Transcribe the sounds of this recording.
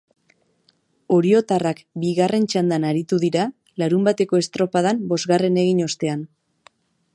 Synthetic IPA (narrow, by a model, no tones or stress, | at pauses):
o̞ɾio̞t̪arakbiɣare̞nt͡ʃand̪anaɾit̪uðiɾa | laɾumbat̪e̞ko̞e̞st̪ɾo̞paðambo̞zɣare̞ne̞ɣ̞iɲo̞st̪e̞an